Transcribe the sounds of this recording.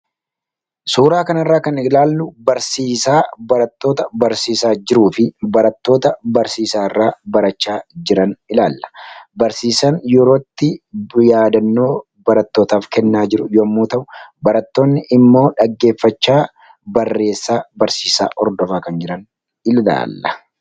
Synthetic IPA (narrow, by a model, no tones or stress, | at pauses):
suːɾaːkɐnɐrːaːkɐnɪlaːlːʊbɐɾsiːsaːbɐɾɐt̪ːo̞ːt̪ɐbɐɾsiːsaːd͡ʒɪɾuːfɪbɐɾɐt̪ːo̞ːt̪ɐbɐɾsiːsaːɪrːaːbɐɾɐt͡ʃːaːd͡ʒɪɾɐnɪlaːlːɐ̥bɐɾsiːsɐnjɛɾoːt̪ːɪjaːd̪ɐnːo̞ː | bɐɾɐt̪ːo̞ːt̪aːfkɛnːaːd͡ʒɪɾʊjoːmːuːt̪ɐʔʊbɐɾɐt̪ːo̞ːnːɪʔɪmːo̞ːᶑɐɡːe̞ːfːɐt͡ʃːaː | bɐrːe̞ːsːaːbɐɾsiːsa̰ːʔɔɾd̪ɔfaːkɐnd͡ʒɪɾɐn | ɪla̰ːlːɐ̥